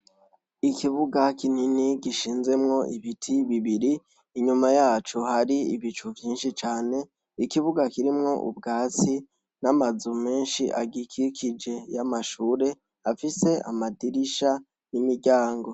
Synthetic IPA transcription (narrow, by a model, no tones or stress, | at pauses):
ikʰiβuɡakʰininiɡiʃiːnze̞mŋo̞ʔiβitʰiβiβiɾiː | ɲumajaːt͡ʃuhaɾiḭβit͡ʃuvjiːnʃit͡ʃaːne̞ | ikiβuɡakiɾimŋo̞ʔṵbɡaːt͡si | namazume̞ːnʃiʔa̰ɡikʰikʰid͡ʒe̞jamaʃuːɾe̞ | afise̞a̰madiɾiʃa | nimiɾɟaːŋɡo̞